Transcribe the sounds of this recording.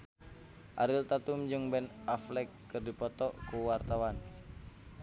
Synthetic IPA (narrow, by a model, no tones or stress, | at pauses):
ʔaɾilt̪at̪umd͡ʒɨŋbɛnaflɛkːɨrdipɔt̪ɔʔkuwart̪awan